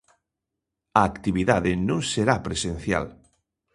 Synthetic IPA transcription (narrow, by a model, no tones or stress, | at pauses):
aːkt̪iβiðaðɪnõŋseɾapɾesẽn̟θja̰l